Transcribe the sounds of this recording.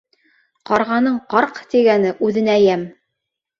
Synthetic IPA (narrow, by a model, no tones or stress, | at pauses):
qɑɾʁɑnɤɴqɑɾqt̪iɡænɘʔʉðɘ̆næjæm